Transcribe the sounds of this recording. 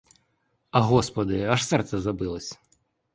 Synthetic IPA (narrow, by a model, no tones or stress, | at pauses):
ɐɦɔspɐd̪ɪɐʂsɛrt̪sɛzɐbɪlˠɐsʲ